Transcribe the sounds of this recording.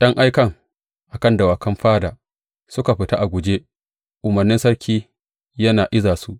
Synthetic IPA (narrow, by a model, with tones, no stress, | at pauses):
jɐ˦ŋʔa˦jkɐ˦˨ŋ | ʔa˨kɐ˦˨ndɐ˨waː˨kɐ˦mɸaː˦daː˨ | sʊ˦ka˨ɸɪ˨ta˦ʔa˨ɡʷʊ˨d͡ʒe˦ | ʔʊ˨mɐ˨rnɪ˦nsɐ˦rkʲʰiː˦ | jɐ˦naː˨ʔɪ˦zaː˨su˦ʔ